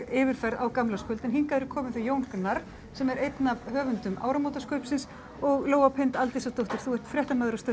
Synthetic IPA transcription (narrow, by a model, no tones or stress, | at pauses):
ɪːvɪɾ̥fɛɾðawkamlaskʏlt̪ɛnɦiŋkaðʏɾʏɾkʰɔːmɪnθɪjoːwŋknaɾ | sɛmɛɾejt̪navhœːvʏnt̪ʏma̰ːwɾamoːt̪askœɥpsɪns | ɔɣloːwapʰɪnt̪alt̪isawt̪owht̪ʏɾ̥θuɛr̥t̪fɾjɛht̪amɛðɾast̪œ